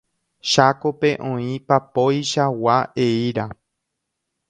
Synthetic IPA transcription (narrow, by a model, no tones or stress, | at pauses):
ʃako̞pe̞ʔõĩpapojʃawaeiɾa